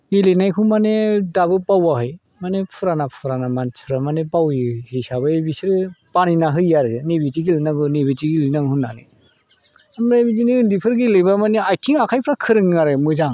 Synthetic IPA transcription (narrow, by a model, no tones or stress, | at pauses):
ilinajkʰumanedabɯpawaɦɯj | manepʰɯɾanapʰɯɾanamant͡ʃʰɯɾamanepawihisabaebisiɾɯpaninaɦɯjjaɾɯɯnebitiɡilnaɡɯnebitiɡilnaɡɦunːa̰nɯ̰ | amɾabiziniɯndipʰɯɾɡilɯbamaneajkʰiŋakʰajpʰɾakʰɯɾɯŋːaɾemɯzaŋ